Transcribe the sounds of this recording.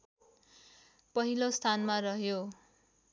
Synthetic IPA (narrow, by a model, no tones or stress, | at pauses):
pʌɦilost̪ʰanmarʌɦjo